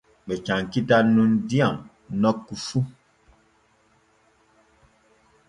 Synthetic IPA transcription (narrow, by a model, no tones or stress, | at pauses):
ɓɛt͡ʃaŋkitanundiaŋ | nɔkːufu